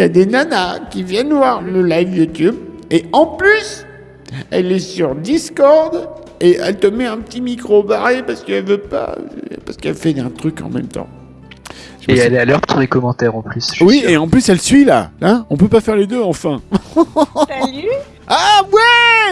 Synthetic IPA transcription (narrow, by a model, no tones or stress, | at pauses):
jad̪enanakʲivjɛnvwaʁləlajvjut̪ybeɑ̃plys | ɛlɛsyʁd̪iskɔʁd̪ | eʔɛ̰lt̪əmɛɛ̃pə̥t̪imikχobaʁepaʁsə̥kəɛlvøpa̰paʁsə̥kɛlfɛɛ̃t̪χykɑ̰̃mɛ̰mt̪ɑ̰̃ | ʒeɛlealœʁt̪ʰud̪ekɔmɑ̃t̪ɛʁɑ̃plyswieɑ̃plysɛlsɥila̰laɔ̃pøpafɛʁled̪øɑ̃fɛ̃ | awɛ